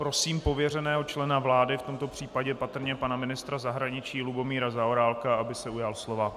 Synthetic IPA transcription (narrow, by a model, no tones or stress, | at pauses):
pɾo̞siːmpo̞vjɛr̝ɛnɛːɦo̞t͡ʃlɛnavlaːdɪft̪o̞mt̪o̞pr̝̥iːpaɟɛpat̪r̩ɲɛpanamɪnɪst̪ɾazaɦɾaɲɪt͡ʃiːlubo̞miːɾazaoɾaːlkaabɪsɛujalslo̞va